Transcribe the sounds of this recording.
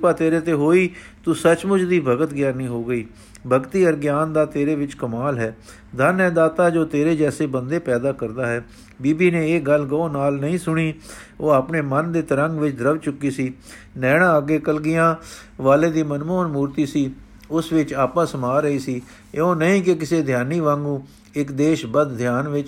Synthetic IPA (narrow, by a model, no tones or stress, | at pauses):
paːt̪eːɾeːt̪eːɦoːiːt̪uːsət͡ʃmʊd͡ʒd̪iːbʱəɡət̪ɡjaːniːɦoːɡəiː | bʱəɡt̪iːəɾɡjaːnd̪aːt̪eːɾeːʋɪt͡ʃkəmaːlɦɛː | d̪ʱənɛ̃ːd̪aːt̪aːd͡ʒoːt̪eːɾeːd͡ʒɛːseːbənd̪eːpɛːd̪aːkəɾd̪aːɦɛː | biːbiːnẽːeːɡəl̤ɡəõːnaːlnəĩːsʊɳ̃iːoːaːpneːmənd̪eːt̪əɾə̃ŋɡʋɪt͡ʃd̪ɾəʋt͡ʃʊkːiːsiː | nɛːɽ̃ãːəɡeːkəlɡɪjãːʋaːleːd̪iːmənmoːnmuːɾt̪iːsiː | ʊsʋɪt͡ʃaːpãːsəmaːɾəiːsiː | eõːnəĩːk̬ɪk̬ɪseːd̪ʱjaːniːʋãːŋɡũː | ɪkd̪eːʃbəd̪d̪ʱjaːnʋɪt͡ʃ